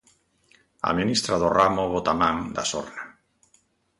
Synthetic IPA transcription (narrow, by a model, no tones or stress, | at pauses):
a̰minist̪ɾaðoramoβot̪amãŋd̪a̰so̰ɾna